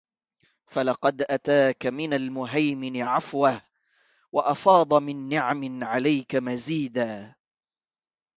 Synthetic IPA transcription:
falɑqɑd̪ʔat̪aːkamɪnalmʊɦajmɪnɪʕafwah | wɑʔɑfɑːd̪ˤɑmɪnːɪʕamɪnʕalajkamaziːd̪aː

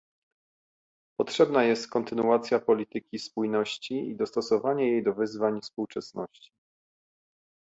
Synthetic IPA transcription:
pɔt̪ʂɛbnajɛst̪kɔnt̪ɘnuat̪sʲjapɔlʲit̪ɘkʲispujnɔɕt͡ɕiid̪ɔst̪ɔsɔvaɲɛjejd̪ɔvɘzvaɲfspuwt͡ʂɛsnɔɕt͡ɕi̥

